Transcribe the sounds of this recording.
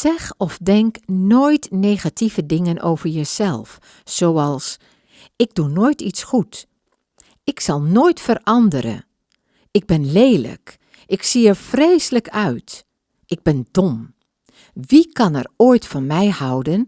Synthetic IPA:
sɛxɔfdɛŋknojtneːxatʰivədɪŋənʔo̰wvəɹjəsɛlˠf | soːɑlˠs | ɪɡ̚dunoːjtisxut | ɪksɑlˠnoːjtfərʔɑndəɾə̰ | ɪɡ̚bɪnlejlə̰k | ɪksiəɹfrejsələkœɥt | ʔɪɡ̚bɪndɔm | ʋikʰɑnɛ̰roːjtfɔnmɛjhɑwdən

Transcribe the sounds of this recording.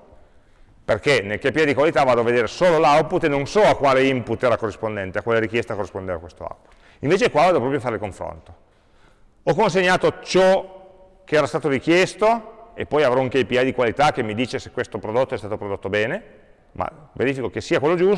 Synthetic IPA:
perkenelkepiajd̪ikwalit̪avaːd̪oaved̪eːɾesoːlolawput̪ːenonsɔakːwaːleimput̪ːɛːɾakorːispond̪ɛnt̪eakːwaːleɾik̟jɛst̪akorːispond̪eːɾa̰kwest̪oa̰wpu̥t̪ | iɱveːt͡ʃekwavaːd̪opɾɔpɾjofaːɾelkoɱfɾo̰nt̪o̥ | ɔkːons̬eɲːaːt̪ot͡ʃɔ | keɛːɾast̪aːt̪oɾikjɛst̪oepːɔjavɾɔuŋkepiajd̪ikwalit̪ak̟ːemːid̪iːt͡ʃesekwest̪opɾod̪ot̪ːoɛst̪aːt̪opɾod̪ot̪ːobɛːne | ma̰vḛɾiːfikok̟esːiːakwelːod͡ʒu

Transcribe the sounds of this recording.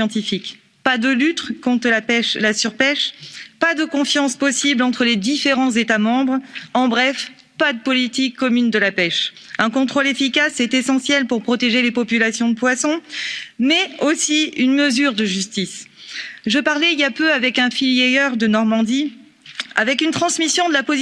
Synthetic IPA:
jɑ̃t̪ifik | pad̪əlyt̪kɔ̃t̪χəlapɛʃlasyʁpɛʃpad̪əkɔ̃fjɑ̃spɔsiblɑ̃t̪χəled̪ifeʁɑ̃zet̪amɑ̃bʁɑ̃bʁɛf | pad̪əpɔlit̪ikːɔmynd̪əlapɛʃ | ɛ̃kɔ̃t̪χolefikasɛt̪esɑ̃sjɛlpuʁpχɔt̪eʒelepɔpylasjɔ̃d̪əpwasɔ̃mɛosiynməzyʁd̪əʒyst̪is | ʒəpaʁlɛiapøavɛkɛ̃filjeœʁd̪ənɔʁmɑ̃d̪i | avɛkynt̪χɑ̃smisjɔ̃d̪əlapɔz

